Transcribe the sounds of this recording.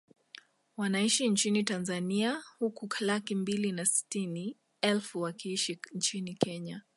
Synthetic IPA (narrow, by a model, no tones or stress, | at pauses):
wanaiʃint͡ʃinitanzaniahukuklakimbilinasi̥tini | ɛlfuwakiiʃint͡ʃinikɛɲa